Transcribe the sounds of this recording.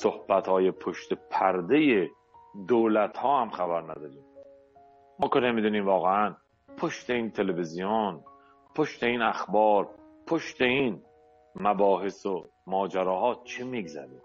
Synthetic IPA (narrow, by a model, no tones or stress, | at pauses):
so̞hb̥æt̪hɒːje̞pʰoʃt̪epʰæɾd̪eje | d̪oːlæt̪hɒːhæmxæbæɾnæ̰d̪ɒːɾiːm | mɒːkenemid̪uːniːmvɒːɣeæn | pʰoʃt̪e̞iːnt̪ʰe̞levizijon | pʰoʃt̪e̞iːnæxbɒːɾ | pʰoʃt̪e̞iːn | mæbɒːɦeso | mɒːd͡ʒæɾɒːɦɒːt͡ʃʰemiɡzæ̰ɾiːm